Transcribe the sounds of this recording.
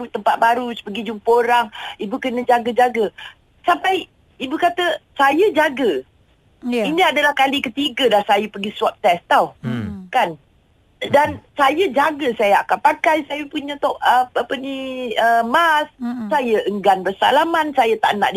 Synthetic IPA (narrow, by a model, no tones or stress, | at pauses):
ut̪əmpat̪̚baɾusə̥pəɡid͡ʒumpəoɾaŋibukənə̃d͡ʒaɡəd͡ʒaɡə | sampaj | ibukat̪əsajəd͡ʒaɡə | iniadəlahkalikət̪iɡədahsajəpərɡisuap̚t̪ɛst̪awkan | dansajəd͡ʒaɡəsajaakanpakajsajəpuɲə̃t̪ɔʔəapəniəmassajəʔəŋɡanbərsa̰lamansajət̪a̰ʔna̰ʔd